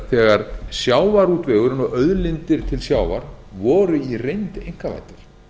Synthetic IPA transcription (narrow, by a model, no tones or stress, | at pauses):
θɛːɣaɾ̥sjaːwvaɾuːt̪vɛːɣʏɾʏnɔɣœðlɪnt̪ɪɾ̥t̪ʰɪlsjaːwva̰ɾ̥vɔːɾʏirejnt̪ejŋ̥kava̰jt̪ɪɾ̥